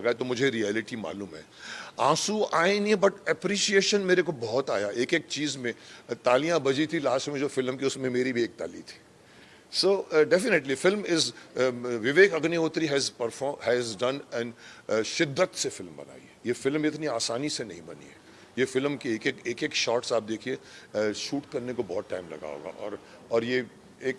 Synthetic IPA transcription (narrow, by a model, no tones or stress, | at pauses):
lɐɡaːet̪omʊd͡ʒʱeɾiɛːlɪʈima̰ːluːmɦɛ̰ːãːsuaːeɪnɛbɐʈɛpɾiːʃieːʃənmeːɾekobɔɦɔt̪a̰ːjaʔeːkeːk̚t͡ʃiːzmẽt̪aːlijãbɐd͡ʒit̪ʰilaːsmẽd͡ʒoːfɪlmkiʊsmẽmeːɾibʱieːk̚t̪a̰ːlḭt̪ʰi̥ː | soːɖɛfɪneʈlifɪlmɪz | ʋɪʋeːkɐɡnioːt̪ɾiɦɛːzpɐɾfɔːɦɛzɖɐnɛ̃ɳɖʃɪd̪ʱːət̪sefɪlmbɐ̰na̰ːḭɛjefɪlmɪt̪niaːsaːnisenɐɦĩbɐnḭɦɛ | jefɪlmkieːkekeːkeːkʃɔːɾʈsaːp̚d̪eːkʰieʃuːʈkɐɾnekobɔɦt̪ʈa̰ːɪmlɐ̰ɡa̰ːo̰ːɡa̰ʔɔ̰ːɾ | ɔːɾje | eːk̚